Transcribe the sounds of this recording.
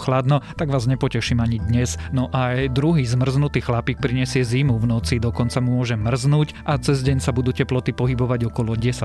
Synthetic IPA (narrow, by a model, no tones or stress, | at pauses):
xlad̪nɔt̪aɡʋaːzɲɛpɔcɛʃiːmaɲid̪ɲɛznɔʔajd̪ɾuɦiːzmr̩znut̪iːxlapiːk̚pɾiɲɛsɪɛzimuvnɔt͡sid̪ɔkɔnt͡samʊɔʒɛmr̩znuːcʔat͡sɛzɟɛɲsabud̪uːcɛplɔt̪ipɔɦibɔʋaɟɔkɔlɔɟɛsa